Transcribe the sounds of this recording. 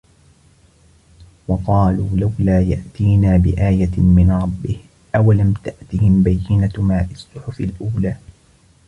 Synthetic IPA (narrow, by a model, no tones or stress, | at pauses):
wɑqɑːluːlawlaːja̰ʔt̪iːnaːbɪ̰ʔaːjamɪnɾˤɑbːɪh | ʔawalamt̪aʔt̪ɪhɪmbajːɪnamaːʔɪsˤːʊħʊfɪlʔuːlaː